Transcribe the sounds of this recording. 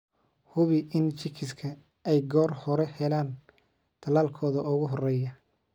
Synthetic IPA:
hʊβɪʔɪnt͡ʃʰɪkʰɪskʰɐ | ɛjɡɔːrhɔɾɛhɛlaːn | t̪ʰɐlaːlkʰɔːðɐʊɣʊɦɔrɛːjɐ

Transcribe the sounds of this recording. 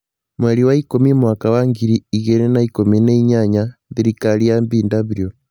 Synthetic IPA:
mwɛɾiwaikomimwakawaŋɡiɾiiɣɛnɛnaikominɛiɲaɲaðiɾikaɾiambindaβiɾijɔ

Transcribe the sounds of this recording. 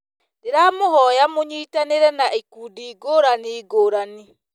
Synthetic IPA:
deɾamoɦɔjamoɲiːtaneɾɛnaʔikuːdiːɡoːɾaniːɡoːɾani

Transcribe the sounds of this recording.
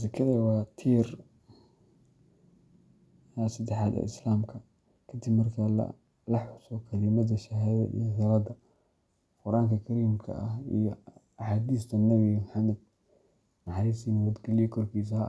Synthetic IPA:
zɐkʰɐðɐwɑːt̪ʰiːr | jasɐd̪ɛħaːd̪ɐ̰ːʔɪ̰slaːmkʰɐ | kʰɐd̪ibmɐrkʰɐlɐ̰ | lɐħʊsɔkʰɐlɪmɐd̪ɐʃɐɦðɐ̰ʔḭjhɪɾɐd̪ɐ | qʊɾʔaːŋkʰɐkʰɐɾiːmkʰɐ̰ʔɐɦḭjɔ | ɑħaːd̪iːst̪ʰɐnɐβimħɑmɛd̪̚ | nɑħɑɾiːsinɐwɐd̪ɡɐlijɛkʰɔrkʰiːs̬ɐɦɐ

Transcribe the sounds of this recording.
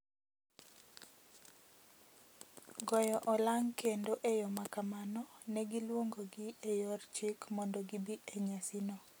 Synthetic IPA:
ɡɔjɔʔɔlaŋkendoʔejɔmakamanɔnɛɡɪlwoŋɡoɡɪejɔrt͡ʃikmɔndɔɡɪbieɲasinɔ

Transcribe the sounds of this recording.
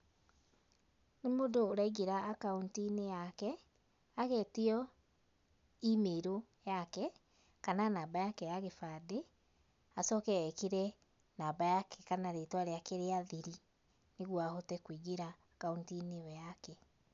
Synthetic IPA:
nemodoːɾaiɣeɾaːkauntinejakɛ | aɣeteɔ | imeɾo | jakɛ | kananaːbajakɛjaɣefade | asɔkɛɛkeɾɛ | naːbajakɛkanaɾetwaɾeakeɾeaðiɾi | neɣwahotɛkwiɣeɾa | kauntiniɔjakɛ

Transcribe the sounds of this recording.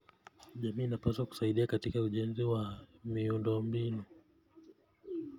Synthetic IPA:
ʄamiːnapaswaku̥saiɗiakatikauʄɛnziwamiundɔmbinu

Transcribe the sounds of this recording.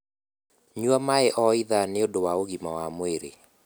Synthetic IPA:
ɲuamaeʔɔiðaneodowaoɡimawamweɾḛ

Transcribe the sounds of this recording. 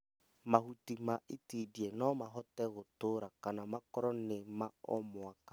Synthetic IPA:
mahutimaʔetidienɔmaɦɔtɛɣotoɾakanamakɔɾɔnemaɔmʊakḁ

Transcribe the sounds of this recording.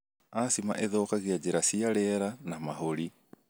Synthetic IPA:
asima̰ʔeðɔkaɣiad͡ʒeɾasiaɾɛɾanamaɦoɾi

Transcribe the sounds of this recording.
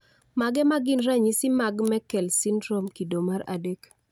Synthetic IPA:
maɡɛmaɡɪnɾaɲisɪmaɡmɛkɛlsinɾomkidomaɾa̰dek

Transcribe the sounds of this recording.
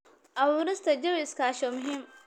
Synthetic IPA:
ʔɐwuːɾɪst̪ʰɐd͡ʒɐwskʰaːʃɔmʊɦiːm

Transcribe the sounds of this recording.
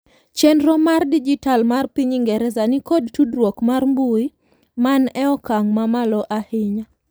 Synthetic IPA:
t͡ʃɛnɾɔmardid͡ʒitalmarpiɲiŋɡɛɾɛzanɪkod̚tudɾwokmarmbui | manɛɔkaŋmamalɔʔahɪɲa

